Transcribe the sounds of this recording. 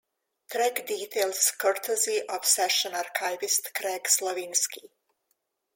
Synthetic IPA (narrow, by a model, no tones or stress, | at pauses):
t̪ɾɛɡd̪it̪ʰeːlˠskɔɾt̪ʰeziʔofsɛʃonaɾkajʋist̪kɾɛkslˠoʋinski